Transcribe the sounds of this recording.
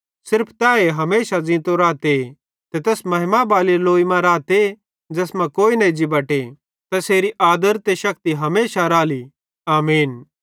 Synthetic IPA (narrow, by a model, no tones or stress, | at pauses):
sɪɾpʰt̪ɛːeɦɐmeːʃad͡zĩːt̪oɾaːt̪e | t̪et̪ɛːsmɐɦɪmabaːliloːimãɾaːt̪e | d͡ʒɛːsmãkoːinɐ̃id͡ʒibɐʈe | t̪ɐseːɾiʔaːd̪əɾt̪eʃɐk̚t̪iɦɐmeːʃaɾaːli | aːmiːn